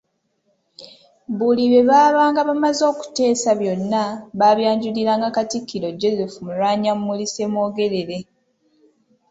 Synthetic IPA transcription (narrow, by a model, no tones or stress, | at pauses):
βuliβe̞βaːβaːŋɡaβamazo̞ːku̥te̞ːsaβjo̞nːaβaβjaːɲɟuliɾaːŋɡakatikːiɾo̞ɟo̞zefumulwaːɲamːulisemo̞ːɡe̞ɾe̞ɾe̞